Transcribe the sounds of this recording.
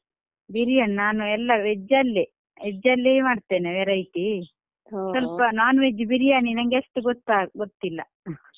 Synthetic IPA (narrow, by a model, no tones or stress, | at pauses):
biɾijɐɳnaːnuɛlːɐʋɛd͡ʒɐlːe | ʋɛd͡ʒɐlːeːmaːɖt̪eːneʋeɾɐjt̪i | sɐlpɐnaːnuʋed͡ʒːubiɾijaːninɐŋɡeɐsʈ̪uɡot̪ːaːɡot̪ːilːɐ̰